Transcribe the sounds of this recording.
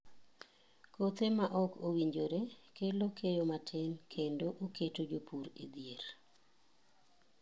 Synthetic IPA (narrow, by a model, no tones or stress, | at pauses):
kot̪emaʔɔkʰowiɲd͡ʒoɾekelokʰejomatʰenkʰendoʔokʰetod͡ʒopʰuɾḭd̪jeɾ